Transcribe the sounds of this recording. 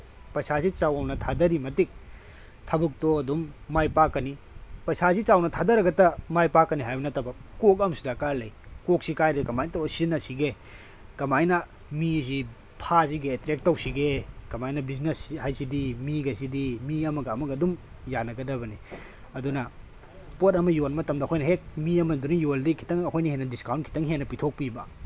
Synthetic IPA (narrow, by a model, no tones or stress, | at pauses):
pɐsasit͡ʃawawnɐtʰadɐɾimɐtik̚ | tʰɐbuk̚tɔɐdumːajpakːɐni | pɐsasit͡ʃawnɐtʰadɐɾɐɡɐtɐmajpakːɐniɦajbɐnɐtɐbɐkok̚ɐmsudakaɾlɐjkok̚sikajdɐkɐmajntowɐsinɐsiɡe | kɐmajnɐ | mis̬i | pʰas̬iɡeːtɾek̚tɐwsiɡekɐmajnɐbiz̬neshajsidimiɡɐs̬idimiɐmɐɡɐːmɐɡɐːdum | janɐɡɐdɐbɐni | ɐdunɐ | potɐmɐjonmɐtɐmdɐkʰojnɐɦek̚miɐmɐdunijoldikʰi̥tɐŋɐkʰojnɐhenɐdiskawntkʰi̥tɐŋɦenːɐpitʰok̚pibɐ̰